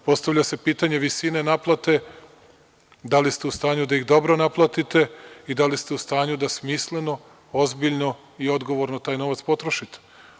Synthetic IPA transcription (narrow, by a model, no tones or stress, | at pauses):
po̞st̪aʋʎʲase̞piːt̪aɲe̞ʋisine̞naplˠat̪e̞ | d̪alist̪eust̪aːɲud̪aiɣd̪o̞bɾo̞naplˠat̪it̪e̞id̪alist̪eust̪aːɲud̪asmisle̞no̞ | ozbiʎno̞ | io̞d̪ɡo̞ʋo̞ɾnot̪aːjno̞ʋat̪spo̞t̪ɾoʃit̪e̥